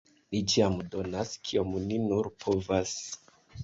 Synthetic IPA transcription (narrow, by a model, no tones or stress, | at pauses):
nit͡ʃiamdo̞naskʰio̞mninuɾpʰo̞vas